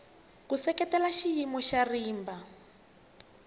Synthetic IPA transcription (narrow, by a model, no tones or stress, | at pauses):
kusɛkɛtɛlaʃijimɔʃariːmba